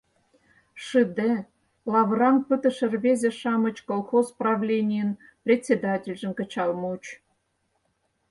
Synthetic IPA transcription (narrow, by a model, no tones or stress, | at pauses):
ʂɨd̪e | lˠɑvrɑnpɨt̪ə̆ʃə̆rβʲezʲĕʃɑmə̆t͡ɕkolˠxozprɑvlʲenʲijən | prʲet̪ʲsʲed̪ɑtʲelʲʒɘ̆mkə̆t͡ɕɑlˠmut͡ɕ